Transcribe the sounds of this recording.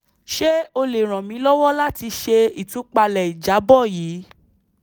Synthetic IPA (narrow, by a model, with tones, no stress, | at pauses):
ʃe˦o˧le˨ɾ̃ã˨mĩ˨˦lɔ˦wɔ˦la˦ti˧ʃe˧i˨tũ˨˦k͡pa˧lɛ˨i˨d͡ʒa˨˦bɔ˦˨jiː˨˦